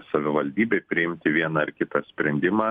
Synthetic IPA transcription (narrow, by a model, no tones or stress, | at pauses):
sɐʋʲɪʋɐlʲd̪ʲiːbʲɛɪpʲɾʲɪɪmʲt̪ʲɪʋʲiɛnɐɪɾkʲɪt̪ɐsʲpʲɾʲɛnʲd̪ʲɪmɑː